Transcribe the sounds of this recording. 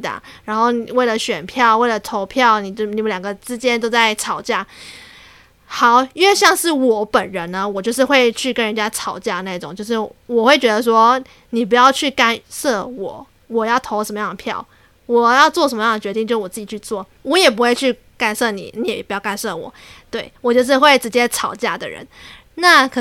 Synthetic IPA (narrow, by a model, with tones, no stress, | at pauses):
d̪ə̰˨˩ɻa˧˥nxo˥˩ʊni˨˩we˥˩ɪlə˩ɕɥɛ˨˩npʰjɑ˥˩ʊwe˥˩ɪlə˩t̪ʰo˧˥ʊpʰjɑ˥˩ʊni˨˩t͡ɕi˨˩˥ljɑ˨˩ŋɡə˦ʈ͡ʂɻ̩˥t͡ɕjɛ˥nt̪̬o˥ʊt͡sa˥˩ɪt͡sʰɑ˨˩˦ʊt͡ɕja˥˩ | xɑ˨˩˦ʊɥɛ˥˧ɕjɑ˥˧ŋʂɻ̩˥˩wɔ˨˩˦pə˨˩nɻə˧˦nnə˦wɔ˨˩t͡ɕjo˥˧ʊʂ̬ɻ̩˥˧xwe˥˧ɪt͡ɕʰy˥˩kə˦nɻə˧˦nt͡ɕja˥t͡sʰɑ˨˩ʊt͡ɕja˥˧na˥˩i˧ʈ͡ʂʊ˨˩˦ŋt͡ɕjo˥˧ʊʂ̬ɻ̩˥˩wɔ˨˩xwe˥˩ɪt͡ɕɥɛ˧˥d̪ə˧ʂ̬wɔ˥ | ni˨˩p̬u˧˥jɑ˥˧ʊt͡ɕʰy˥˩ka˥nsɤ˥˩wɔ˨˩˦ | wɔ˨˩jɑ˥˩ʊt̪ʰo˧˥ʊʂə˧˥mə˦jɑ˥˩ŋd̪ə˩pʰjɑ̰˥˩ʊ | wɔ˨˩jɑ˥˧ʊt͡swɔ˥˩ʂə˧˥mə˦jɑ˥˩ŋd̪ə˩ɥɛ˧˥i˥˧ŋt͡ɕo˥˧ʊʂ̩˥wɔ˨˩t͡s̩ɹ̩˥˩t͡ɕi˨˩t͡ɕʰy˥˧t͡swɔ˥˩ | wɔ˧˥jɛ˨˩p̬u˧˥xwe˥˧ɪt͡ɕʰy˥˩ | ka˥˩nsɤ˥˩nḭ˨˩ni˨˦˥jɛ˨˩pu˧˥jɑ˥˧ka˥˧nsɤ˥˩wɔ̰˨˩˦t̪we˥˩ɪwɔ˨˩t͡ɕjʊʂɻ̩˥˧xwe˥˩ɪʈ͡ʂɻ̩˧˥t͡ɕjɛ˥t͡sʰɑ˨˩ʊt͡ɕja˥˩d̪ə̰˩ɻə̰˧˦n | na˥˩kʰ